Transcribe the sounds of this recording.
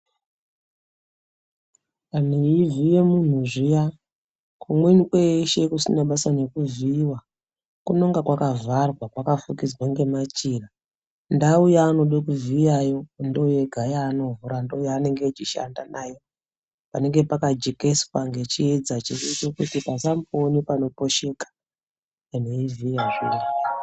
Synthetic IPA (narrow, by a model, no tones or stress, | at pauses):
an̤eivije̞mun̤uʐija | kumwenikweʃe̞kusinaɓasane̞kuviwa | kuno̞ŋɡakwakavarwapakafukid͡zwaŋɡe̞mat͡ʃira | ndaujaːno̞ɗokuvijajo̞ndo̞je̞ɡʱajaːno̞vuɾando̞ujaːne̞ŋɡet͡ʃiʃa̰ndanajo | pane̞ŋɡe̞pakad͡ʒeke̞swaŋɡe̞t͡ʃied͡zat͡ʃiret͡ʃokutipasamponipano̞po̞ʃe̞kḁ | aneivijaʐira